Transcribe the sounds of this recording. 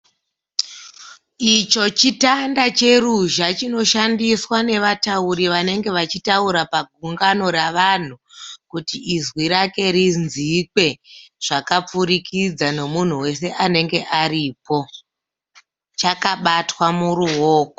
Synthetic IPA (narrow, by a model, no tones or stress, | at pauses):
it͡ʃo̞t͡ʃitandat͡ʃe̞ruʒat͡ʃino̞ʃandiswane̞ʋatauɾiʋane̞ŋɡe̞ʋat͡ʃitauɾapaɡʱuŋɡano̞raʋan̤ukutiːzwiɾake̞ɾinzikwe̞ʐ̥akap͡fuɾikʰid͡zano̞mun̤uwe̞se̞ʔane̞ŋɡe̞ʔaɾipo̞ | t͡ʃakaɓatwamuruoːko